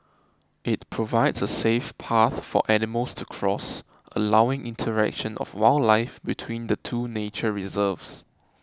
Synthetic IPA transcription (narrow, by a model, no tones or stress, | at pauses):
ʔɪt̚pʰɹovaɪdsəsefpʰaθfɔ̰ʔɛnɪməlstʰukʰɹɔs | ʔə̰lawɪ̃ŋʔḭ̃ntʰəɹɛ̰k̚ʃə̃nʔɔ̰fwaɪllaɪfbitʰwĩnd̪ətʰuːnet͡ʃəɹizəvs